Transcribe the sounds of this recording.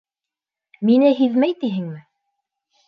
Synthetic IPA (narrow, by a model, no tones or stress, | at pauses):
minɘɦiðmæjt̪iɦɘŋmɘ